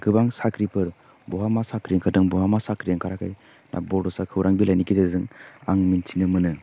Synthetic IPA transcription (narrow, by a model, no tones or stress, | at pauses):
ɡɯbaŋsakɾipʰɯɾ | bɔɦamasakɾiŋkʰadɯŋbɔɦamasakɾiaŋkʰaɾakʰaj | nʔa̰bɔdɔsakʰɯwɾʔaŋbilajnikizezɯŋaŋmintʰinɯmɯnɯ